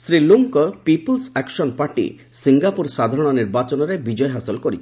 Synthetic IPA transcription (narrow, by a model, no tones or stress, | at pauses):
sɾiluŋkɔpipɔlsɛksɔnpaɾʈḭ | siŋɡapuɾsad̪ʱaɾɔɽ̃ɔniɾbat͡ʃɔnɔɾebid͡ʒɔjɦasilkɔɾit͡ʃʰi̥